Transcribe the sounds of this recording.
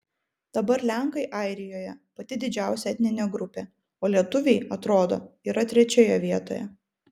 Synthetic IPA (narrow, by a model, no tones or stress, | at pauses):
d̪̥ɐbɐɾlʲæˑŋkɐɪʔɐɪɾʲɪjoːjɛpɐt̪ʲɪd̪ʲɪd͡ʒʲæˑʊsʲɛɛt̪ʲnʲɪnʲeːɡɾʊpʲeː | oːlʲiɛt̪ʊʋʲɛɪɐt̪ɾoːd̪o̰ːiːɾɐt̪ʲɾʲɛt͡ʃʲeːjɛʋʲiɛt̪o̰ːjɛ̰